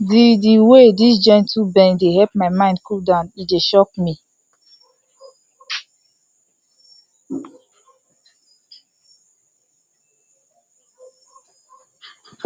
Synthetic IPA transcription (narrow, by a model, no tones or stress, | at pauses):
didiwedisd͡ʒɛ̃ntubɛ̃ndeɦɛlp̚maɪmãɪ̃ndkuldãnideʃɔk̚mi